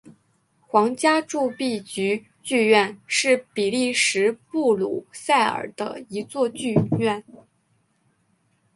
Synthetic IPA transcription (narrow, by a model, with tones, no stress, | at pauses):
xwɑ˧˥ŋt͡ɕja˥ʈ͡ʂu˥˧pi˥˩t͡ɕy˧˥ | t͡ɕy˥˧ɥɛ˥˧nʂɻ̩˥˩pi˨˩li˥˩ʂɻ̩˧˥pu˥˩lṵ˨˩sa˥˩ɪə̰˞˨˩d̪̥ə̰˦i˧˥t͡swɔ˥˧t͡ɕy˥˧ɥɛ˥˩n